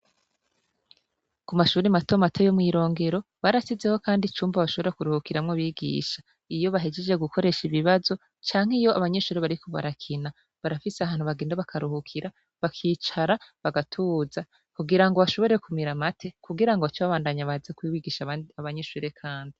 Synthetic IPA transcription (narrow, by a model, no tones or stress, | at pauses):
kumaʃuːɾimato̞matʰo̞jomŋiːɾo̞ːŋɡe̞ɾo̞βaɾasize̞ho̞kaːndit͡ʃuːmbaβaʃo̞βoɾekuɾuhukiɾamŋoβiːɡḭːʃḁ | ijo̞βaɦed͡ʒe̞d͡ʒe̞ɡukʰo̞ɾe̞ʃiβiβazo̞ | t͡ʃaːŋ̥ejo̞aβaɲe̞ʃuːɾeβaɾikʰo̞βa̰ɾakʰina | βaɾafiseahaːn̥huβaɡeːndaβakʰaɾuhukʰiɾa | βakʰiːt͡ʃaɾaβaɡatʰuːza | kuɡiɾaŋɡo̞βaʃo̞βo̞ɾe̞kumiɾamatʰe̞kuɡiɾaŋɡot͡ʃoβaβaːndaɲaβazekwiwiɡiːʃaaβaɲeʃuːɾe̞kʰaːndi